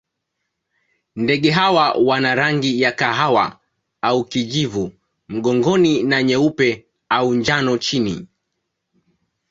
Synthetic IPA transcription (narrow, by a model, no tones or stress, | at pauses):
ndɛɠɛɦawawanaɾaŋɡijakaɦawa̰ | aukiʄivu | m̩ɠɔŋɡɔninaɲɛupɛ | auɲd͡ʒanɔt͡ʃini